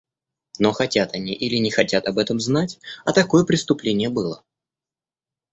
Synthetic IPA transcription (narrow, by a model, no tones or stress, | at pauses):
noxɐtʲat̪ɐnʲiʔilʲɪnʲɪxɐtʲat̪ɐbɛt̪əmznatʲɐt̪ɐko̞jəpɾʲɪst̪ʊplʲenʲɪjəbɨlˠə